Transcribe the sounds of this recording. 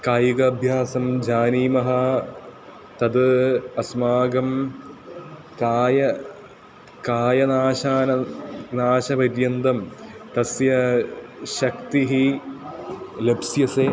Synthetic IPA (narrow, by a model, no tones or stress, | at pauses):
kaːjiɡɐːbʱjaːsɐmd͡ʑaːniːmɐɦɐ | t̪ɐd̪ɨɐsmaːɡɐm | kaːjɐ | kaːjɐnaːɕaːnɐnaːɕɐpɐɾjɐnd̪ɐmt̪ɐsjɐ | ɕɐkt̪iɦi | lebsjɐse